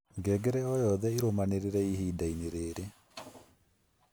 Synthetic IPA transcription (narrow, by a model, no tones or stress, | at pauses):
ŋɡɛɡɛɾɛɔjɔðɛiɾomaneɾeɾɛiɦiːdaineɾeːɾe